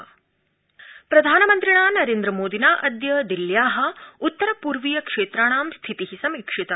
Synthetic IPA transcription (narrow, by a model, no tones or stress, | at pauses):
pɾɐd̪ʱaːnɐmɐnt̪ɾiɳaːnɐɾeːnd̪ɾɐmoːd̪inaːʔɐd̪jɐd̪iljaːɦɐ̆ut̪ːɐɾɐpuːɾʋijɐkʂeːt̪ɾaːɳ̃aːmst̪ʰit̪iɦisɐmiːkʂit̪ɐ